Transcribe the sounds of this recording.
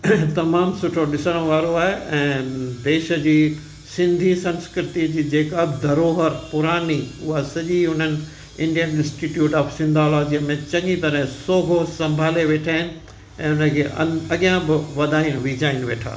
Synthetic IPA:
t̪ɐmaːmsʊʈʰoɗɪsəɽ̃ʋaːɾoaːɦeɛ̃ːd̪eːʃəd͡ʑiː | sɪ̃nd̪ʱisɐ̃nskɾɪt̪id͡ʑiːd͡ʑeːkabɪd̪ʱɐɾoːɦəɾpʊɾaːniʊɦasɐʄiɦʊn̤ənɪ̆ | ɪ̃ɳɖijənɪ̃nsʈiːʈjuːʈaːfsɪ̃nd̪ʱaːlɔːd͡ʑiəmẽt͡ɕɐ̃ŋit̪ɐɾə̃ɦɪ̃soːɡʱosɐ̃mbʱaːleʋeːʈʰaːɦɪnɪ̆ | ɛ̃ːʊnəkʰeːʔɐ̰ɐɠijãbɪʋɐd̪ʱaːɪnʋid͡ʑaːɪnɪʋeːʈʰa̰ː

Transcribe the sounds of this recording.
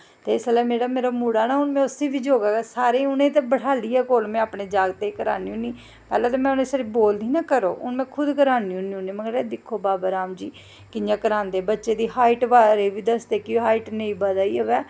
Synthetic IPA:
t̪eːɪsəlaːmeːɽaːmeːɾaːmuːɽaːnaːɦʊnmɛ̃ːʊseːbiːd͡ʒoːɡaːɡɛːsaːɾeːʊnẽːt̪eːbəɽʰaːliːɛːkoːlmɛ̃ːaːpɳeːd͡ʒaːɡt̪eːkəɾa̰ːniːɦʊnːiː | pɛ̰ːlɛ̃ːt̪oːmɛ̃ːʊnẽːsaːɾiːboːld̪iːnaːkəɾoːʊ̰nmɛ̃ːkʰʊd̪kəɾaːniːɦʊnːiːʊnẽːmɛ̃ːəɾeːd̪ɪkʰːoːbaːbaːɾaːmd͡ʒiː | kɪjãːkəɾãːnd̪eːbətːʃeːd̪iːɦaːɪʈʋaːɾeːʋiːd̪əsd̪eːkɪɦaːɪʈnẽĩːbad̪aːiːoʋɛː

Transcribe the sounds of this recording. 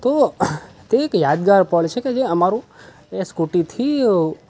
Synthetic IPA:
t̪o | t̪eːkjad̪ɡaɾpəɭt͡ʃʰeked͡ʒeəmaɾũ | eskuʈit̪ʰi

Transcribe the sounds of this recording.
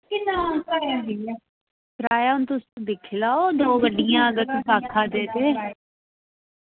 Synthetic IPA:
kɪnãːnkəɾaːdia | pɾaːjaːʊnt̪ʊst̪ũd̪ɪkʰlaːoːd̪oːbəɖːɪjãːəɡəɾt̪ːsaːkʰaːd̪eːd̪eː

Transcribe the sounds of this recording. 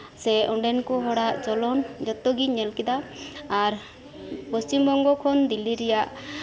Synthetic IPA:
sɛɔɳɖɛnkɔɦɔɽaʔd͡ʒɔlɔnd͡ʒɔt̪ːɔɡiɲɛlkid̪aː | ɾ | pɔst͡ʃimbɔŋɡɔkʰɔnd̪iliɾɛjaʔ

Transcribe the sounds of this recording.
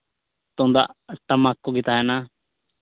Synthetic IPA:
t̪õnd̪a̰ʔʈəmakːoɡɪt̪aːɦɛna

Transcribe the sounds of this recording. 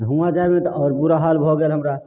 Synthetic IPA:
ɦũad͡ʒaɛbẽt̪ɔɔːɾpuɾaɦalbʱoɡeːlɦəmɾa

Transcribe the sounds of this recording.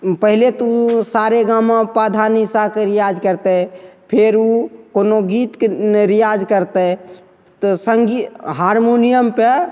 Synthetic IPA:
pəɦlet̪usaɾeɡamãpad̪ʱanisakeɾijad͡ʒkəɾt̪eɛpʰeɾukonoɡit̪kɾijad͡ʒkəɾt̪ɛɛ | t̪ɔsəŋɡiɦaːɾmonijəmpe

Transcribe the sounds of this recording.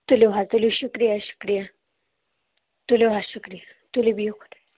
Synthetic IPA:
t̪uleɦat̪uliɕukɾijaɕu̥kɾijã | t̪uleɦaɕukɾija | t̪ulibijokʰo̥t̪ḁ

